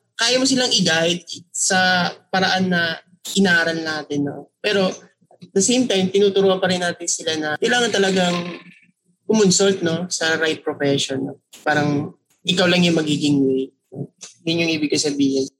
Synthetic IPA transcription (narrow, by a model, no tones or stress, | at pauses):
kaːjɐmosɪlaŋʔɪɡaːlɪt̪̚sɐpɐɾɐʔanːɐ | ʔɪnaːɾɐlnaːt̪ɪnːo̞̰pɛːɾo̞ | d̪ɐsejmt̪ajmt̪ɪnuːt̪ʊɾuːʔɐnpɐɾɪnːaːt̪ɪnsɪlanɐkɐjlaːŋɐnt̪ɐlɐɡaŋ | kʊmʊnsolt̪̚no̞sɐɾaj̚pɾofɛʃonːopaːɾɐŋ | ʔɪkawlɐŋjʊŋmɐɡiːɡɪŋwej | nojʊnjʊŋʔiːbɪɡ̚kasɐbiːhɪn